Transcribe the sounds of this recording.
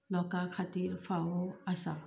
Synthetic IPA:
lɔkakʰat̪iːɾfaɦoasa

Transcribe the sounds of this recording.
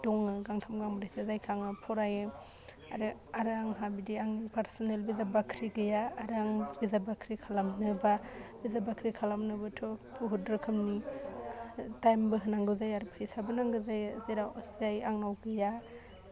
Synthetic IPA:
dɔŋɯɡaŋtʰamɡaŋbɯɾasazajkʰaŋɯpʰɔɾajɯ | a̰ɾɯaɾaŋɦabidiaŋnipaɾsɔnelbizabakʰɾiɡɯjaːɾaŋbizabakʰɾikʰalamnɯbabizabakʰɾikʰalamnɯbɯtʰɔpʰuɦudɾɯkʰɯmni | tajmbɯɦɯnaŋɡɯzajaɾpʰajsabɯnaŋɡɯzajzeɾaszajaŋnawɡɯja

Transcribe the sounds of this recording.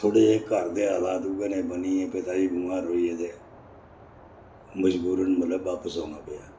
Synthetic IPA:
t̪ʰoːɽeːeːkəɾd̪eːaːlaːt̪ʊɡeːnẽːbəniːẽːpet̪aːd͡ʒiːbʊmaːɾoːiːeːd̪eː | məd͡ʒbuːɾənmət̪ləbːaːpəsõːnãːpeːaː

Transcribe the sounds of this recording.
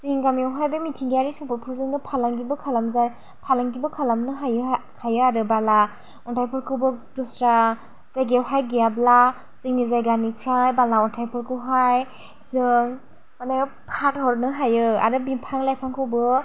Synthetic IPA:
ziŋɡamjewɦajbɯmitʰiŋɡiaɾisɔŋpʰɔɾpʰuɾzɯŋdɯpʰalaŋɡibɯkʰalamza | pʰalaŋɡibɯkʰalamnɯɦajɯkʰajɯaɾɯbala | ɔntʰajpʰɔɾkʰɯwbɯdustɾa | z̥ajɡewɦajɡijabla | zɯŋnizajɡanipʰɾajbalaɔntʰajpʰɯɾkʰɯwɦaj | zɯŋ | manajɯ | pʰat̚ɦɔɾnɯɦajɯa̰ɾɯbimpʰaŋlajpʰaŋkʰɯwbɯ

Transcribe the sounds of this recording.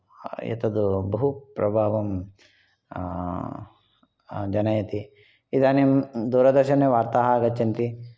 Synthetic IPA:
jḛt̪ɐd̪ubɐɦupɾɐbʱaːʋɐm | d͡ʒɐnɐjɐt̪i | id̪aːnimd̪uːɾɐd̪ɐɾʃɐneʋaːɾt̪aːɦaːɡɐt͡ʃːint̪i

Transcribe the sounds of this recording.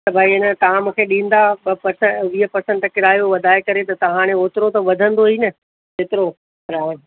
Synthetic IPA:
t̪ɐbʱaːiɪnət̪ɐʋ̤ãmũkʰeɗĩːn̆d̪apɐɾsəʋiːɦəpɐɾsə̃ɳʈkɪɾaːjoʋɐd̪ʱaːekɐɾet̪ɐt̪ɐʋ̤ãːɽ̃ẽoːt̪ɪɾot̪ɐʋɐd̪ʱə̃nd̪oɦiːnɐ | zeːt̪ɪɾo | ɾãː

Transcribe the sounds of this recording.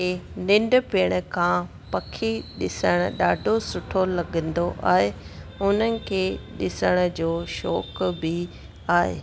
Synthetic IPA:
eːnɪ̃ɳɖ̆pɪːɽ̃̆kʰãː | pɐkʰiɗɪsəɽ̃ʊ̆ɗaːɖʱosʊʈʰolɐɡə̃nd̪oʔa̰ːɦeʊnənɪ̆kʰeːɗɪsəɽ̃̆d͡ʑoːʃɔːkbɪ | aːɦḛː

